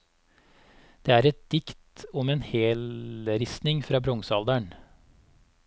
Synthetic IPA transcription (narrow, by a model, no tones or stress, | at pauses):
d̪̥eːæːɾɛt̪̚d̪̥ɪkt̪ɔmeːnheːlɾɪsnɪŋfɾɑːbɾɔŋsɑld̪æɳ